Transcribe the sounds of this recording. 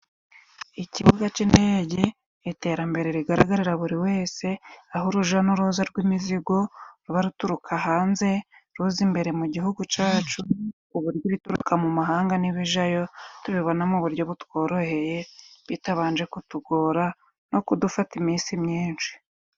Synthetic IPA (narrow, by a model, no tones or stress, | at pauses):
iciβuɡat͡ʃindeːɟe̞ | ite̞ːɾambe̞ɾe̞ɾiɡaɾaɡaɾiɾaβuɾiwe̞ːse̞ahoɾuʒanuɾuzaɾɡwimiziɡo̞ɾuβaɾutuɾukʰaɦaːnze̞ɾuzimbe̞ɾe̞muɟiɦuɡut͡ʃaːt͡ʃu | uβuɾjoβituɾṵkʰamumaɦaːŋɡaniβiʒajo̞tuβiβo̞namuβuɾɟo̞βutwo̞ːɾo̞he̞je̞βitaβaːnd͡ʒe̞kutuɡoːɾa | no̞kudufatimiːsimɲiːnʃi̥